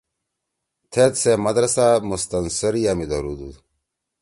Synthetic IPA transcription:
t̪ʰet̪semɐd̪ɾɐsamust̪ɐnsɐɾijamid̪ɐɾud̪ṵd̪

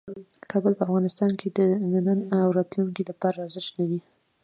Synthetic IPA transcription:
kʰɑbəlpəafɣɑnɪst̪ɑnkʰed̪ənanənawɾɑt̪luŋkilapɑɾaɑwzɪʃt̪nad̪i

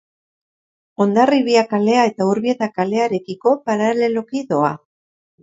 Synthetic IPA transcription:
o̞nd̪ariβiakale̞ae̞t̪auɾβie̞t̪akale̞aɾe̞kiko̞paɾale̞lo̞kiðo̞a

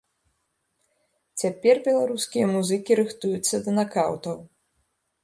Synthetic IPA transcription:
t͡sʲapʲɛrbʲɛlˠaɾuskʲijɐmuzɨkʲiɾɨxt̪ujut̪sːɐd̪ɐnakawt̪ɐw

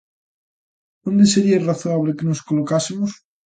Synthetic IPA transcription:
d̪ond̪eseɾiaraθoaβ̞lekeno̞skolokasemos

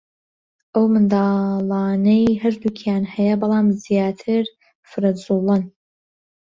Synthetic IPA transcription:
ʔɐwmɨnd̪ɑːlˠɑːnɐjhɐɾd̪ukʰjaːnhɐjɐbɑlˠaːmzjaːt̪ʰɨɾ | fɨɾɐzulˠɨn

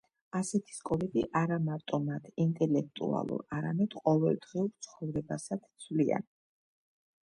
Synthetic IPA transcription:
asɛt̪ʰi̥skʼɔlɛd̪iʔaɾamaɾt̪ʼɔmat̪ʰint̪ʼɛlɛk̚ʰt̪ʼṵa̰lˠṵɾaɾamɛd̪̥qʼɔvɛlˠd̪ʁiuɾt̪sʰχɔvɾɛbasad̪t̪sʰvlia̰n

